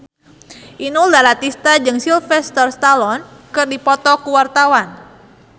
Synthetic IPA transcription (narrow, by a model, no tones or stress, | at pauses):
ʔinuldalat̪ist̪ad͡ʒɨŋsilfɛst̪ɔrst̪alɔnkɨrdipɔt̪ɔkuwart̪awan